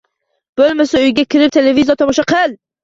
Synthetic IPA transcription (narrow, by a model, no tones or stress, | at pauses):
b̥olˠmasaʊjɡʲakʲʰɪɾɪp̚t̪ʰe̞levizijɒt̪ʰɒmɒʃɑqʰɨlˠ